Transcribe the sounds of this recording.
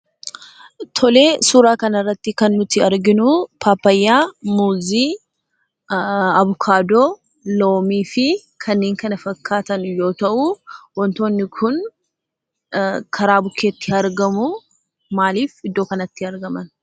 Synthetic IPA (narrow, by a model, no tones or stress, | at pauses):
t̪ʰɔle̞ːsuːɾaːkɐnɐrːɐt̪ːɪkɐnːʊt̪ɪɐɾɡɪnʊpʰaːpːɐjːaːmuːziː | ɐβʊkʰaːd̪oː | lo̞ːmiːfɪ | kʰɐnːeːŋkɐnɐfɐkʰːaːt̪ɐnjo̞ːt̪ɐʔʊwɔnt̪o̞ːnːɪkʰʊn | kʰɐɾaːbʊkʰːe̞ːt̪ːɪɐɾɡɐmʊ | maːliːfɪd̪ːoːkɐnɐt̪ːɪɐɾɡɐmɐn